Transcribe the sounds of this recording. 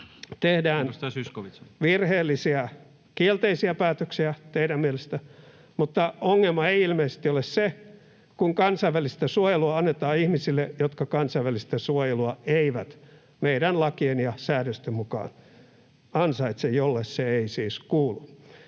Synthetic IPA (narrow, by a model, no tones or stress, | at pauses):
t̪ehdæːnsyskoʋiʋirheːlːisiæ | kielt̪eisiæpæːt̪øksiæt̪eiɾæmmielest̪æ | mut̪ːɑoŋːelmɑeiilmeise̥st̪iolesse | kuŋkɑnsɑiʋælist̪æsuojeluɑɑnːet̪ɑːihmisilːejot̪kɑkɑnsɑiʋælist̪æsuojeluɑeiʋæt̪ | meiɾænlɑkienjɑsæːɾøst̪emmukɑ̰ːn | ɑnsɑit̪sejjolːesseeisiːskuːlu